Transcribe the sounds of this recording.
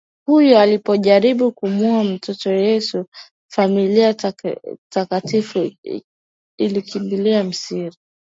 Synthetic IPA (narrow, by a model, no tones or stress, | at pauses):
hujɔalipɔʄaɾiɓukumuam̩tʰɔtɔjɛsu | familia | takatifu | ilikimbiliam̩siɾi